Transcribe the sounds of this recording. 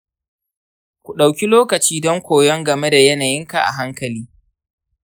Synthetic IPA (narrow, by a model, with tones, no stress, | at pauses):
kʷu˨ɗa˨wkʲi˦loː˦kɐ˨t͡ʃiː˦dɔ˦ŋkʷoː˨jɔ˦ŋɡɐ˨me˦da˨jɛ˦naː˨jɪ˦ŋka̰˨ʔa̰˨ɦa˦ŋkɐ˨liː˦